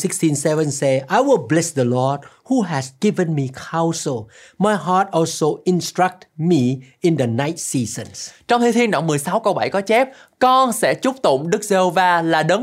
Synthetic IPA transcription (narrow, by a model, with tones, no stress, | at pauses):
si˦kstĩ˧nsɛvə̃nsɛajwɪlˠblɛsd̪əlɔd̚ | huɦɛzɡ̥i˦və̃nmikʰãwsəlˠ | ma˨jɦat̚ɔlsoɪ̃nstɹa˦k̚tmi˧ɪ̃ndəna˦jt̚sizə̃nst͡ɕɔ̃˧wŋ͡mt̪ʰe˨˦t̪ʰi˧ənɗɔ̰˧˩˨ŋ͡mmɨ˨˩əjsa˨˦wkə˧wɓa˧˩jkɔ˨˦t͡ɕɛ˦˥p̚ | kɔ˧nsɛ̰˧˥t͡ɕʊ˦˥p̚t̪ʊ̰˧˨ŋ͡mɗɨ˦˥k̚ze˧ho˧vaː˧laː˨˩ɗə˨˦